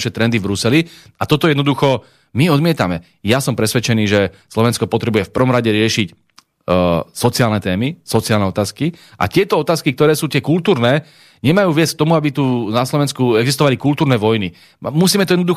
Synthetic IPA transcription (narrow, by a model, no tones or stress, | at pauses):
ʃɛt̪ɾɛnd̪ivbɾusɛli | at̪ɔt̪ɔjɛd̪nɔd̪uxɔ | miɔd̪mɪɛt̪amɛ | jasɔmpɾɛsʋɛt͡ʃɛniːʒɛslɔʋɛnskɔpɔt̪ɾɛbujɛfpr̩ʋɔmɾaɟɛɾɪɛʃic | sɔt͡siaːlnɛt̪ɛːmisɔt͡siaːlnɛɔt̪aːskiʔa̰t̪ɪɛt̪ɔɔt̪aːskik̚t̪ɔɾɛːsuːt̪ɪɛkult̪uːɾnɛː | ɲɛmajuːʋɪɛt͡sk̚t̪ɔmuabit̪unaslɔʋɛnskuɛɡzist̪ɔʋalikult̪uːɾnɛːʋɔjni | musiːmɛt̪ɔjɛd̪nɔd̪u